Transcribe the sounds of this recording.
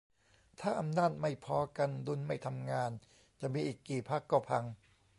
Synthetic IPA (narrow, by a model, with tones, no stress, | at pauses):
t̪ʰaː˥˩ʔa˧mnaː˥˩t̪̚ma˥˩jpʰɔː˧ka˧ndu˧nma˥˩jt̪ʰa˧mŋaː˧n | t͡ɕa˨˩ʔmiː˧ʔiː˨˩kːiː˨˩pʰa˦˥kːɔː˥˩pʰa˧ŋ